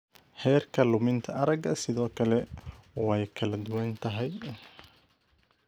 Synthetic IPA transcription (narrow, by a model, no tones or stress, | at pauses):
hɛːrkʰɐlʊmɪnt̪ʰɐɐɾɐɡɐsɪðɔːkʰɐlɛɔɛjkʰɐlɐd̪ʊwɐnt̪ʰɐɦɛj